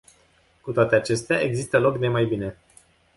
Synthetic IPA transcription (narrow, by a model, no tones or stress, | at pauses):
kut̪oat̪e̞at͡ʃe̞st̪eaʔe̞ɡzist̪əlo̞kne̞majbine̞